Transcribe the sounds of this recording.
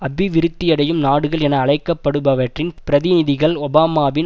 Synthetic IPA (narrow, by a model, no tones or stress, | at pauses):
ɐbɪʋɪɾɯt̪ːɪjɐɽɐjɯmnaːɽɯɣɐɭɛnɐːɭɐɪkːɐpːɐɽɯbɐʋɐʈrɪnpɪɾɐðɪnɪðɪɣɐɭɔbaːmaːbɪn